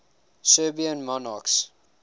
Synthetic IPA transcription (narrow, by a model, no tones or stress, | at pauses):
sɜbiə̃nmɔnaks